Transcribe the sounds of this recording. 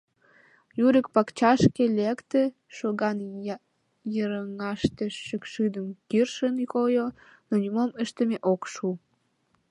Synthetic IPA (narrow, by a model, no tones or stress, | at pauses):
juɾəkpɑkt͡ɕɑʃkelekt̪e | ʃoɣɑn | jəɾəŋɑʃt̪əʃːəkʃyd̪əmkirʃənkojo | nonʲumoməʃt̪əmeʔokʃu